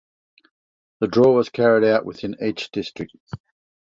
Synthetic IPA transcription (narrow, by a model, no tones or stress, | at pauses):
ðədɹɔːwɒz̥kʰaɹɪɾaʊʔwɪðɪ̃niˑt͡ʃd̥ɪstɹ̥ɪk̚t̚